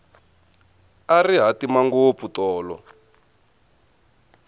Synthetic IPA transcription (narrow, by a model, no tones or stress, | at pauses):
ariɦatimaŋɡop̪futɔːlɔ̰